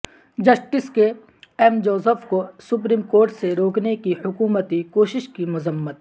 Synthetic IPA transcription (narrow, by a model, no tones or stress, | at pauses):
d͡ʒɐsʈɪske | ɛːmd͡ʒoːsəfkosʊp̬ɾiːmkoːɾʈseɾoːknekihʊkuːmət̪ikoːʃɪʃkimʊzəmːət̪̚